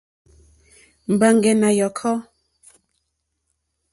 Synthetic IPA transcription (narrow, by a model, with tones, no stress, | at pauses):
m̩˨ba˨ŋɡɛ˨na˨jɔ˨kʰɔ˦